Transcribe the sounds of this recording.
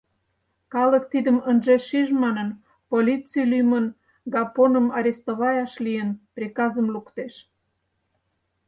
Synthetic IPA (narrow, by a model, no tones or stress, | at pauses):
kɑlək̚t̪id̪əmənʒeʃiʒmɑnən | polʲit͡silyjmən | ɡɑponəmɑɾʲest̪oβɑjɑʃlijənprʲekɑzəmlukt̪eʃ